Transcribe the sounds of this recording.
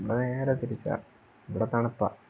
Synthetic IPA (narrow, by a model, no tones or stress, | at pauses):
ʋiɽeneːɾet̪iɾit͡ɕːa̰ | iʋiɽet̪ɐɳɐpːɐ̰